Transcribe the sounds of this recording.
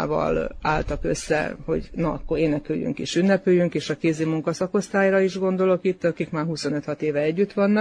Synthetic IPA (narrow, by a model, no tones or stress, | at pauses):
vɒ̰la̰ːlt̪ɒkøsːɛ̰ho̞̰ɟnɒɒ̰kːo̞ɾeːnɛkyjːy̰ŋkḭʃynːɛpøːjyŋkeːʃɒkeːzeːmuŋkɒsɒko̞st̪aːjrɒiʒɡo̞nd̪o̞lo̞kit̪ːɒkikmaːrɦuso̞nø̞t̪hɒt̪eːvɛɛɟːyt̪ʋɒnːɒk